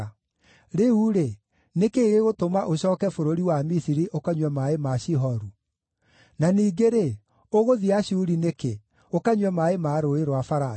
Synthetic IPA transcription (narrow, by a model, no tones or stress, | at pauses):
ɾeuɾe | nekeːɣeɣotomaʔoɕɔːkɛfoɾoɾiwamisiɾiʔokaɲwɛmaemaɕiɦɔɾu | naniːɡeɾe | oɣoðiaɕuuɾineke | okaɲwɛmaemaɾoeɾwafaɾa